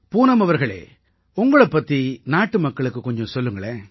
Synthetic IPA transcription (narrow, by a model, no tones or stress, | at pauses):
puːnɐmɐʋɐɾɣɐɭḛː | ʊŋɡɐɭɐpːɐt̪ːinaːʈːɯmɐkːɐɭɯkːɯkːɔɲd͡ʒɔ̃sɔlːɯŋɡɐɭeː